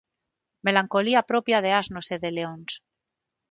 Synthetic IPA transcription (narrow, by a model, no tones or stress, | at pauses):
me̞laŋko̞liapɾopjað̞eaznoseðeleons